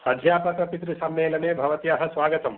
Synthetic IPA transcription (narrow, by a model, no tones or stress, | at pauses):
ɐd̪ʱjaːpɐkɾɐpit̪ɾisɐmːeːlɐneːbʱɐʋɐt̪ijaːɦɐ̆sʋaːɡɐt̪ɐm